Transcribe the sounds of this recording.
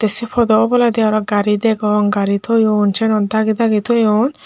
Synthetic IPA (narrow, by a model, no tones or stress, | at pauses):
t̪esipʰɔd̪ɔʔɔbɔlad̪iaɾɔɡaɾid̪ɛɡɔŋɡaɾit̪ʰojɔnt͡ʃʰɛnɔnd̪aɡid̪aɡit̪ʰojɔn